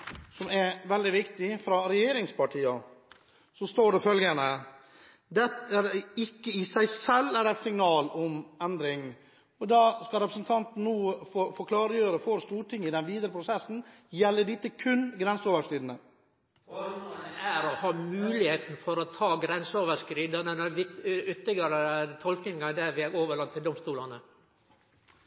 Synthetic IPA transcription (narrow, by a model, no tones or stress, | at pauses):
sɔmɛʋɛld̪ɪʋɪkt̪ɪfɾɑɾɛjeːɾɪŋspʰɑʈʰiːɑ | sɔst̪oːɖɛfœlɡənə | d̪ɛt̪æɾɪkːəɪsæɪsɛlːæɾæɪt̪sɪŋnɑːlɔmɛnd̪ɾɪŋ | ɔd̪ɑːskɑɾɛpɾəsnt̪ʰɑnt̪n̩ːoːfofɔkʰlɑːɾəjøːɾəfɔɾst̪uːʈʰɪŋːɪd̪ɛnʋiːd̪əɾəpʰɾʊsɛsːn̩ | jɛlːəɖɪt̪ːəkʰʉnɡɾɛnsəoːʋəʃkɾiːd̪n̩ə | ɑnəæɾɔhɑːmʉːlɪheːt̪n̩fɔɾɔt̪ʰɑːɡɾɛnsəoːʋəʂkɾiːd̪ɑnənɛʋɪʏt̪ːɪɡɑɾət̪ʰɔlknɪŋɑd̪æʋɪæɾoːʋəɭɑnt̪ʰːɪld̪ɔmst̪uːlɑnə